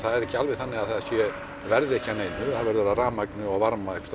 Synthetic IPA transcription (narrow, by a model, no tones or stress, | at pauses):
θaðɛɾɛhcːɪalvɛθanːɪaðθasjɛ | vɛɾðɪɛhcːɪaneːjnʏθavɛɾðʏɛɾaraːmaknʏaɣvaɾmaɛhkst̪